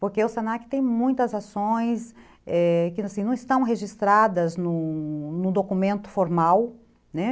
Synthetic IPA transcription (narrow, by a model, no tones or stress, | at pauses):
poɾkeʊsẽnakɪ̥t̪ẽj̃mũj̃t̪ɐzasõj̃s | ɛkɪnasĩnɐ̃w̃ɪst̪ɐ̃w̃ɦeʒist̪ɾad̪ɐznʊnʊd̪okumẽnt̪ʊ̥foɾmaw | nɛ